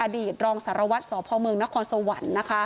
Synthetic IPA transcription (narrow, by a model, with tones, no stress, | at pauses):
ʔa˧diː˨˩t̪̚ɾɔː˧ŋsa˩˦ɾa˧wa˦˥t̪̚sɔː˩˦pʰɔː˧mɯ˧əŋna˦˥kʰɔː˧nso˧wa˨˩˦nːa˦˥kʰa˦˥